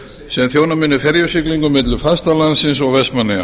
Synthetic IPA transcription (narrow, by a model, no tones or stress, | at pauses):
sɛmθjoːwnamɪnːʏfɛɾjʏsɪkliŋkʏmɪt̪lʏfast̪alansɪnsɔɣvɛst̪manːɪa̰